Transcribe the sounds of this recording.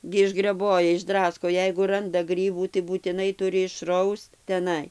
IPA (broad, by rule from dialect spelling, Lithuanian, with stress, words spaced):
ɡʲɪ ɪʒɡrʲɛˈboːjɛ ɪʒˈdrɑːskoː ˈjɛɪɡʊ ˈrɐndɐ ˈɡrʲiːbuː tɐɪ buːtʲɪˈnɐɪ ˈtʊrʲɪ ɪʃˈrɐʊst tʲɛˈnɐɪ